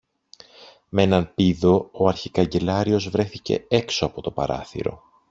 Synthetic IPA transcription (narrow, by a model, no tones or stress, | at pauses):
mee̞nɐnpiðo̞oɐɾçikɐɲɟe̞lɐɾio̞zvɾe̞θice̞̰e̞kso̞ɐpo̞t̪o̞pɐɾɐ̰θḭɾo̞̰